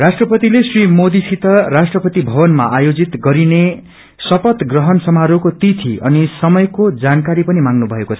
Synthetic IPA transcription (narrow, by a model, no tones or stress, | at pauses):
rasʈrʌpʌt̪ilesrimod̪isit̪ʌrasʈrʌpʌt̪ibʱʌbʌnmaʔajod͡zit̪ɡʌɾine | sʌpʌt̪ɡrʌɦʌnsʌmaɾokot̪it̪ʰiʌnisʌmʌjkod͡zankaɾipʌnimaŋnubʱʌekot͡sʰʌ